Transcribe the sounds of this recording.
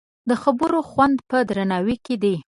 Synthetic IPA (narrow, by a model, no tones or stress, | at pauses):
d̪əxabəɾoxwand̪pəd̪ɾanɑwiked̪e